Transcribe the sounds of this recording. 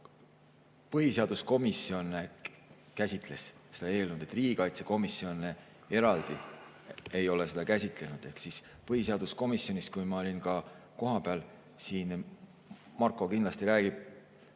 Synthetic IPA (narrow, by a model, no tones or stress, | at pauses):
pɤɦise̞ɑd̪̥usko̞misjo̞ne | kæsʲit̪ˑle̞ssed̪̥ɑe̞ːlnud̪̥e̞t̪ːˑriːɡ̥ikɑjt̪se̞ko̞misːjo̞ne | e̞ɾɑld̪̥i | ejo̞lese̞d̪ɑkæsʲit̪ˑle̞nud̪̥e̞hksis | pɤhiseɑd̪̥usko̞misjo̞nis̚kujmɑo̞lʲinkɑ | ko̞ɦɑpeɑl | siːn | mɑrkːˑo̞kind̪lɑst̪iɾæːɡ̥ib̥̚